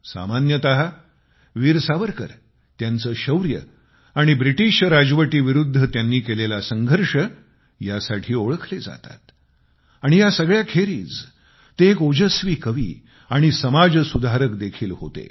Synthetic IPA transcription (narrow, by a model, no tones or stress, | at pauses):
sa̰manjət̪əɦa | ʋiːɾsaʋəɾkə̰ɾ | t̪jant͡səːɕəwɾjə̰ | aɽ̃ibɾiʈiʂɾad͡zʋəʈiːʋiɾud̪ʱːət̪janːiːkelelasəŋɡʱəɾʂə | jasaʈʰiːoɭəkʰled͡za̰t̪a̰t̪ | aɽ̃ijasəɡɭjakʰeɾḭːt͡s | t̪eːkod͡ʑəsʋiːkəʋḭː | aɽ̃isəmad͡zsud̪ʱaɾəkd̪ekʰiːlho̰t̪ḛ